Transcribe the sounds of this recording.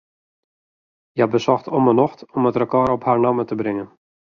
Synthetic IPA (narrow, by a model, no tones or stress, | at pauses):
jabəsɔxtʰɔmənɔxtɔmətrəkɔɾɔphaɹnamətəbrɪŋən